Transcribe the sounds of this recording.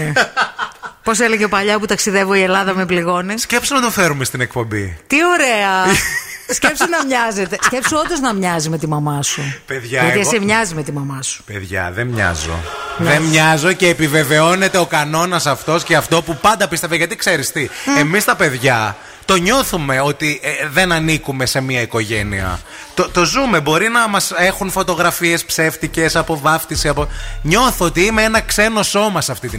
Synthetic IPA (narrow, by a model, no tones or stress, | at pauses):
po̞s̬eleʝepɐʎɐput̪ɐksiðe̞voie̞lɐðɐmebliɣo̞nescepsonɐt̪ofe̞ɾumest̪inekpo̞mbḭt̪io̞ɾe̞ɐ | scepsonɐmɲɐze̞t̪e̞sce̞psoond̪oznɐmɲɐzime̞t̪imɐmɐsupeðʝɐɐt̪iɐsemɲɐzime̞t̪imɐmɐsu̥peðʝɐ̰ðemɲɐ̰zo̰ðemɲɐzo̞ceːpive̞ve̞o̞ne̞t̪e̞o̞kɐno̞nɐsɐft̪o̞sceɐft̪o̞pupɐnd̪ɐpist̪eveʝɐt̪ikse̞ɾist̪iemist̪ɐpe̞ðʝɐ | t̪o̞ɲo̞θume̞o̞t̪iðe̞nɐnikume̞se̞miɐiko̞ʝe̞niɐ̰ | t̪ot̪o̞zume̞bo̞ɾinɐmɐse̞xunfo̞t̪o̞ɣɾɐfie̞spse̞ft̪ice̞sɐpo̞vɐft̪isiɐpoɲo̞θoot̪iimeenɐkse̞no̞so̞mɐsɐft̪it̪i